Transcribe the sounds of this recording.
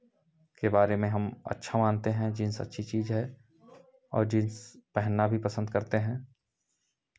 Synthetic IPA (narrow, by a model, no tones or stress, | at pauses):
kebaːɾemẽɦɐmɐ̰tːʃʰamãːnt̪eɦɛ̃d͡ʒɪnsɐ̰tːʃʰit͡ʃiːzɦɛ | ɔ̰ːɾd͡ʒɪnspɛɦənːabʱipɐsə̃nd̪kɐɾt̪eɦɛ̃ː